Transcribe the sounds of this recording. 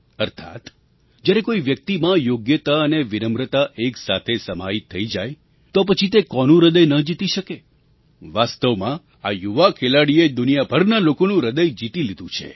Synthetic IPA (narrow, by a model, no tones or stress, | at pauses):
əɾt̪ʰa̰t̪ | d͡ʒjaɾekoiʋjək̚t̪imãjoɡjət̪aəneʋinəmɾət̪aʔeksat̪ʰesəma̰it̪ʰːəid͡ʒaj | t̪op̬ət͡ʃʰit̪̬ekɔnũɾəd̪əjnəd͡ʒit̪iʃəke | ʋast̪əʋmã | ajuʋakʰelaɽied̪unijabʱəɾnalokonũɾəd̪əjd͡ʒit̪ilid̪ũt͡ʃʰḛ